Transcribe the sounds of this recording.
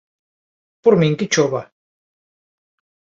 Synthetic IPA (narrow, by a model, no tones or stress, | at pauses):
puɾmiŋkit͡ʃoβa